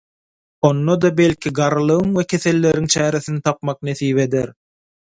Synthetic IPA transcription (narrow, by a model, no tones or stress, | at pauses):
o̞nːod̪ɑbe̞lʲkʲʰiɡɑɾɯlˠɯɣɯŋwekʲʰe̞θe̞lːe̞ɾiŋt͡ʃʰæːɾe̞θinit̪ʰɑpmɑq̚neθiːβe̞d̪eɾ